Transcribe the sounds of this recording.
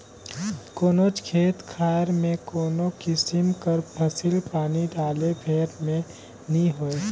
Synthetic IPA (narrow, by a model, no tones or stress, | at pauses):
koːnot͡ʃkʰeːt̪kʰaːɾmẽkoːnokɪsɪmkəɾpʰəsɪlpaːniɖaːlebʰʱeːɾmẽ | nĩɦoːe